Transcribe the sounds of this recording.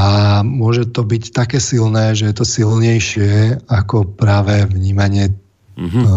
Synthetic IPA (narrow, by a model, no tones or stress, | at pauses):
amʊɔʒɛt̪ɔbict̪akɛːsilnɛːʒɛjɛt̪ɔsilɲɛjʃɪɛakɔpɾaːʋɛvɲiːmaɲɪɛ